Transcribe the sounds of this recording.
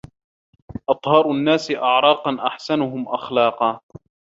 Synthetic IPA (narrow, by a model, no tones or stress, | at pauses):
ʔɑt̪ˤhɑːɾˤʊnːaːsɪʔɑʕɾˤɑːqɑnʔaħsanʊɦʊmʔaxlɑːqɑː